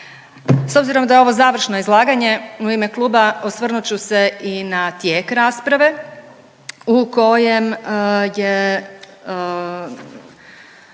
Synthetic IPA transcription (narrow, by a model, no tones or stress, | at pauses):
so̞bziɾo̞md̪ajeo̞ʋo̞zaːʋr̩ʃnoizlˠaːɡaɲe̞uime̞klˠuːbaosʋr̩nut͡ɕuse̞inat̪je̞ːkɾaːspɾaʋe̞ | uko̞jemje